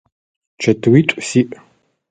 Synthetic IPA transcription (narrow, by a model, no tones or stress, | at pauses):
t͡ʃʰɐtʰwitʷʼsiʔ